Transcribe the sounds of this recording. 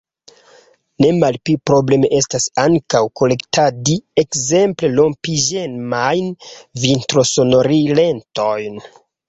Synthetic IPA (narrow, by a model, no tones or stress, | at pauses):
ne̞malpipɾo̞ble̞meʔe̞stasaŋkawko̞le̞ktʰadie̞kze̞mple̞lo̞mpiʒe̞nmajnvintɾo̞so̞no̞ɾile̞nto̞jn